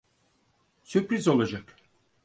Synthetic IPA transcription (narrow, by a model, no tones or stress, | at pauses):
sypɾizo̞lˠad͡ʒak